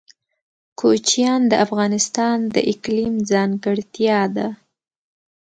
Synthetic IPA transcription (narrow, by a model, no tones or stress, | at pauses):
kʰot͡ʃijɑnd̪əʔafɣɑnɪst̪ɑnd̪ə̰ʔɪklimd͡zɑŋɡəɽt̪jɑd̪a